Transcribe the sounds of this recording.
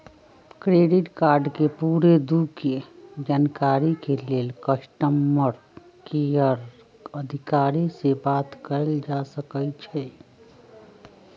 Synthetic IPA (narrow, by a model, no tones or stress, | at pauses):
kɾeɖiʈkaɾɖkepuɾed̪uked͡ʒankaɾikelelkəsʈəmːəɾ | kejəɾ | əd̪ʱikaɾisebat̪kəld͡ʒasəkəjt͡ʃʰɛ